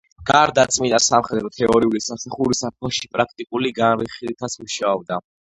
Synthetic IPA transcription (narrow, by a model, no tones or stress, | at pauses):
ɡ̥aɾd̪at̪sʼminasamχɛd̪ɾɔt̪ʰɛɔɾiulisamsaχuɾisap̚ʰɔʃipʼɾak̚ʰt̪ʼikʼuliɡanɾiχilit̪ʰat̪smuʃaɔb̚d̪a